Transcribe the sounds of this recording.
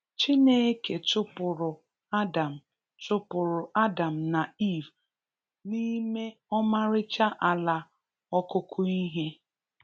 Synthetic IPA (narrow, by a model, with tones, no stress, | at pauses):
t͡ʃi˦ne˦ke˨tʊ˦pʊ˨ɾʊ˨ | a˦da˨m̩˨ | tʊ˦pʊ˨ɾʊ˨a˦da˨m̩˨na˨i˦˨v | ni˦me˦ɔ˦ma˦ɾɪ˦t͡ʃa˦ʔa˨la˨ | ɔ˦kʊ˦kʰʊ˦i˦ɦe˦